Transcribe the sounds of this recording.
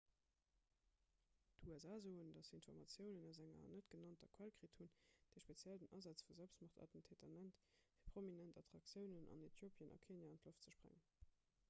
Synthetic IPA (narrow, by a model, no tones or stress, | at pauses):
dʰuæzaːzoːəndɑsinfɔʁmɑt͡sjəʊnənæʊzæŋɐ̰nətɡ̥ənɑntɐkʰwælkʁithund̥eɪʃpet͡sjældənʔɑzɑt͡sfuzælpstmɑχtʰɑ̰tən̩tʰeːtʰɐnæntfiːɐpʁ̥ominæntʰɑtʁɑkt͡sjəʊnənʔɑ̰netʰjoːpʰjənʔɑ̰kʰeːnjaːɑntloftt͡səʃpʁæ̰ŋən